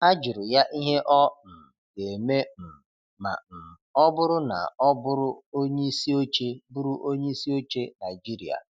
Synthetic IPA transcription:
a˦d͡ʒʊ˨ɾʊ˨ja˦ʔi˦ɦe˦ʔɔ˦n̩˨ | ɡe˨me˦m̩˨ | ma̰˨m̩˨ | ɔ˦bʊ˦ɾʊ˦na̰˨ɔ˦bʊ˦ɾʊ˦o˦ɲe˦i˦si˦o˦t͡ʃe˦bʊ˦ɾʊ˦ʔo˦ɲe˦i˦si˦o˦t͡ʃe˦na˨i˨d͡ʒi˦ɾi˨a̰˨

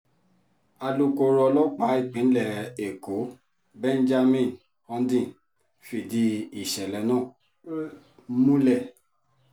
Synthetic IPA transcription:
a˧lu˦ko˧ɾɔ˧lɔ˦k͡pa˨˦i˦˨k͡pĩ˨˦n̩˦lɛ˨e˨ko˨˦ | bɛ˦n˦d͡ʒa˦mĩ˦˨n | ɔ̃˧n˦dĩ˦˨n | fi˨di˧˦i˨ʃɛ˨lɛ˨˦nãː˦˨ | mũ˦lɛ˦˨

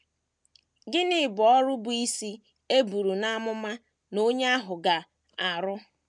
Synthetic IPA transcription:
ɡɪ˦nɪ˦˨bʊ˨ɔ˦ɾʊ˦bʊ˨i˦si˦ | e˦bu˨ɾu˨na˦mʊ˦ma˦ | no˦ɲ˦a˦ɦʊ˨ɡa˨ | a˨ɾʊ˦

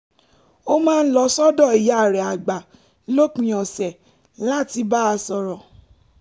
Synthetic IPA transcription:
o˦mãː˦˧n̩˦lɔ˧sɔ˦dɔ̃˦˨i˨ja˨ɾɛ˨a˨ɡ͡ba˨ | lo˦k͡pĩ˨ɔ̃˨sɛ˨ | la˦ti˧ba˦a˧sɔ˧ɾɔ˨

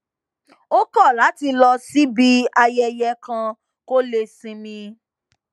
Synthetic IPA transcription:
o˦kɔ˦˨la˨˦ti˧lɔ˧si˦bi˦a˧jɛ˧jɛ˧˦kã˧ | ko˦le˧sĩ˧mĩ˧

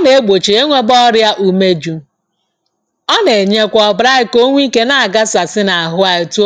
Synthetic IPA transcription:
ne˨e˦ɡ͡bo˨t͡ʃi˨e˦ŋʷe˦bɔ˦ɾja˦ʔu˦me˦d͡ʒu˦ | ɔ˦ne˨ɲe˦kʷɔ˨ɔ˨bɾa˦ɪ˦ko˦ŋʷ˦i˦ke˦na˨a˨ɡa˦sa˨sɪ˦na˨a˨ɦʊ˦a˨ɪ˨tu˦

